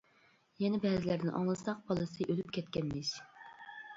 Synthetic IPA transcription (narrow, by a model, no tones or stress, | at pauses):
jɛnɛbɛːzɪlæɾnɪʔɑ̰ŋlˠɨsɑq̚b̥ɑlˠɨsɨʔølypkʲʰɛt̪̚kʲʰɛnːɪʃ